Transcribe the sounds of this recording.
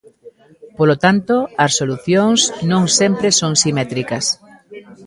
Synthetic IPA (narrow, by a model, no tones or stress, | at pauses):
polot̪ant̪oɐssoluθjoŋsnõŋsɛmpɾesoŋsimɛt̪ɾikɐs